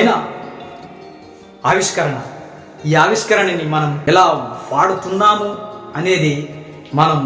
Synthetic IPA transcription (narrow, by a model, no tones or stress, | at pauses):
ɐjnɐ | aːʋiʂkɐɾɐɳɐ | iːaːʋiʂkɐɾɐɳɐnimɐnɐmɛlaːʋaːɽut̪unːaːmuɐne̞ːd̪eː | mɐnɐm